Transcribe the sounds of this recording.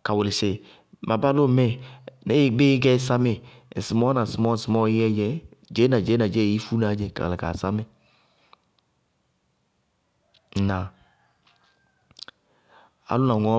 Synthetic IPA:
ka˨wʊ˨lɪ˨se˨ | ma˨ba˦lo˦˨mɛ˦ne˦ji˨ɡ͡be˦ɡɛ˦sa˦me˨ | sɪ˨mɔ˦nã˨sɪ˨mɔ˦˨sɪ˨mɔ˦˨i˦ɛ˦d͡ʒɛ˦d͡ʒɛ˨˦na˨d͡ʒɛ˨˦a˨d͡ʒɛ˦˨i˦fu˦na˨˦d͡ʒɛ˨ka̰˨la˨ka̰˨sa˦me˨˦ | nã˨ | a̰˨˦lʊ˦na˨ŋɔ˨˦

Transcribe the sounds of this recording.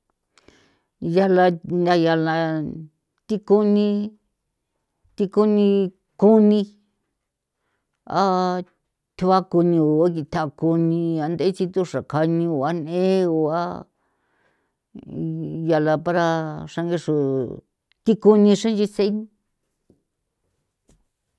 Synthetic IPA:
ja˧la˧na˧ja˧la˧ | t̪i˦ku˦nĩ˧ | t̪i˧ku˦nĩ˧ | ku˦nĩ˧ | a˦ | t̪ʰu˧βa˦ku˧nĩ˧o˨a˦ki˧t̪ʰa˧˨˧ku˧nĩ˧a˧nd̪a˧˦i˦t͡ʃi˧t̪u˧ʂa˨ka˧nĩ˧o˨a˦nẽ˦o˨a˦ | ja˨la˧pa˧ɾa˧ʂa˧ŋɡe˧ʂu˨ | t̪i˦ku˧nĩ˧ʂã˦nd͡ʒi˧se˦n

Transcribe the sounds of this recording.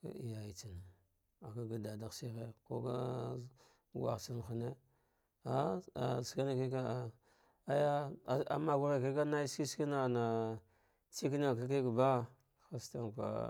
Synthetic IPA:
ka̰˨i˨ja˨i˨t͡si˨na˨ | a˨ka˦ɡa˨da˨da˨ɣsi˦xe˦ko̰˦ka̰˦ | ɡʷa̰˨si˦n˨xa˨ne˦ | a˦a̰˨ska˦na˦ki˦ka˦a˨ | a˦ja˦˨a̰˨ma˦ɡu˦ɾa˨ki˦ka˦na˦ski˦ski˦na˦˨na˨ | t͡si˦kna˨ka˦k̬i˦kba˦ | xa˦sta˦nkʷa̰˨

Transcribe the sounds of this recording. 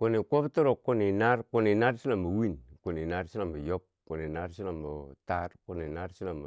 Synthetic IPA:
ko˦˨ni˨ko˦btu˦ɾo˨kːo˦ni˨na˦ɾku˦ni˨na˦ɾsi˦la˨mbə˨wi˦˨nku˨ni˨na˦ɾsi˦la˨mbə˨jo˦p̚ku˨ni˨na˦ɾsi˦la˨mo˨ta˦ɾku˨ni˨na˦ɾsi˦la˨mb

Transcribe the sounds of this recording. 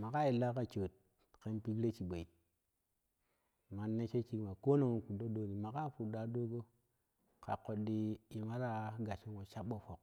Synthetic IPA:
ma˨ka˦i˨lːa˦ka˨t͡ʃo˨t̚ | ke˦npi˦ɡɾe˦t͡ʃi˨ɓo˨i˨t̚ | ma˨nːe˦t͡ʃe˦t͡ʃi˦kma˨ko˦no˨ŋo˨ku˨do˦do˦ni˨ma˨ka˦˨fu˨da˨do˦ɡo˦ | ka̰˨ko˨ɗi˨i˨ma˦ɾa˦ɡa˨t͡ʃi˦ko˨t͡ʃa˦ɓo˨fo˨k̚

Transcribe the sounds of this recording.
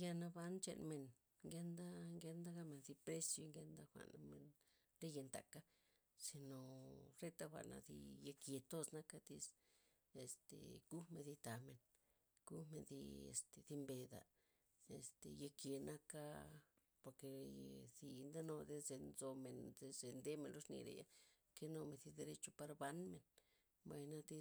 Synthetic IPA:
ja˧na˧ba˦nt͡ʃḛ˧nme˨n | ŋɡe˦nd̪a˦ŋɡe˧nd̪a˦ɡa˦me˨nd̪i˧pɾe˦sjo˧ŋɡe˧˦nd̪a˦xʷa̰˨na˧me˨n | ɾe˦je˧nt̪a̰˨ka˦ | si˧no˨ɾe˦t̪a˦xʷa̰˨na̰˧d̪ḭ˧ja˧kje˨t̪o˦sna˦ka˦d̪i˧s | e˨st̪ḛ˨ɡ̥u˦me˧nd̪i˧t̪a˨me˨n | ɡ̥u˦me˧nðḭ˧ḛ˨st̪e˧ði˧mbe˧d̪a̰˨ | e˨st̪e˧je˧ke˨na˦ka˦ | po˧ɾke˨zi˧nd̪a˦no˧d̪e˧˦ze˧nzo˧me˨nd̪e˧ze˧nd̪e˦me˧nlo˦ʂnḭ˧ɾḛ˨ja̰˦ | ke˦no˧me˧zi˧d̪e˧ɾe˧t͡ʃo˧pa˧ɾba˧nme˨n | ba˧jna˦d̪i˧

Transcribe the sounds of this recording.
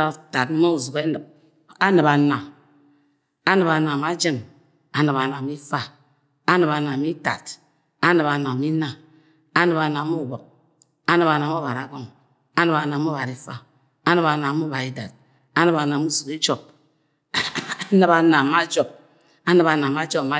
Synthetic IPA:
ɾa˨ta˨tmo˦u˨zu˨ke˦nɨ˨p̚ | a˦nɨ˨ba˨na˨ | a˦nɨ˨ba˨na˨m˦a˦d͡ʒi˦˨m | a˨nɨ˨ba˨na˨mi˦fa˦ | a˦nɨ˨ba˨na˨mi˦ta̰˨t | a˦nɨ˨ba˨na˨mi˦na˨ | a˦nɨ˨ba˨na˨˦mu˦˨bɔ˨k̚ | a˦nɨ˨ba˨na˨m˦o˦ba˨ɾa˨˦ɡɔ˦˨ŋ | a˦nɨ˨ba˨na˨˦m˦o˦ba˨ɾi˦fa̰˦ | a˦nɨ˨ba˨na˨˦mu˦ba˨ɾi˦da̰˨t̚ | a˦nɨ˨ba˨na˨mu˦zu˨ki˦d͡ʒɔ˦p̚ | nɨ˨ba˨na˨m˦a˦d͡ʒɔ˦˨b̚ | a˦nɨ˨ba˨na˨m˦a˦d͡ʒɔ˦˨ma˦

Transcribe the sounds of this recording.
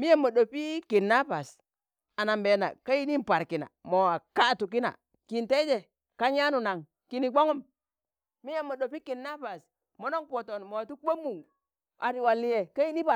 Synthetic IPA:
mi˦je˦˨mːo˨ɗo˨pi˦ki˨nːa˦pa˨s | a˨na˨mbe˨na̰˨ka˦ji˦ni˦npa˨ɾki˨na̰˨mo˨a˨ka˦˨tu˨k̬i˦na̰˨ | ki˨nte˦d͡ʒe˨ | ka˦ɲa˦nu˨na˨ŋ | ki˨ni˨ɡ͡bo˦ŋu˦m | mi˦je˦˨mːo˨ɗo˨pi˦ki˨nːa˦pa˨s | mo˦no˦ŋpo˨to˨nmo˨a˨tu˦k͡pe˦mːu˨ŋ | a˨ɾi˨wa˨lːi˦je˨ka˦ji˦ni˦pa˨

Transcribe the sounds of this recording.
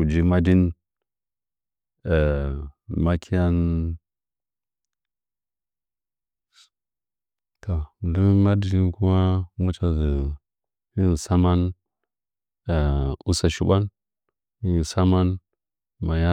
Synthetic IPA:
u˨d͡ʒi˦ma˦di˦n | e˨ | ma˦kʰi˦ja˦n | ka˨du˦ma˦di˨di˦nku˦ma˦mu˦t͡ʃa˨zi˨ | hi˦n˨sa˦ma˦n˨ | u˦sa˨ʃi˨ba˦n | i˦˨sa˦ma˦n | ma˨ja˦

